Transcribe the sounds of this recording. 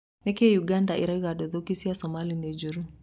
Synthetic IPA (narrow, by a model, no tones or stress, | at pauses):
nɛkɛjuɡandaʔiɾaiɣadɔðɔkisiasɔmalinɛd͡ʒuɾu